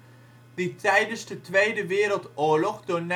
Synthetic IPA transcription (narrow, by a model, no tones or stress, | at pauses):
ditɛjdənszdətʋejdəʋɪːɾəlˠtʊːɹlɔχdʊːɹn